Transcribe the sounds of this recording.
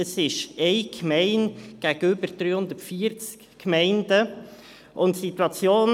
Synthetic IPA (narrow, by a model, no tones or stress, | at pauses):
əsɪʃɛɪkmɛɪnɡ̥æɡəʏbəɾd̥ɾyːhʊndətfiəɾt͡skːmɛɪndə | ʔʊntsitwɑt͡sjoːn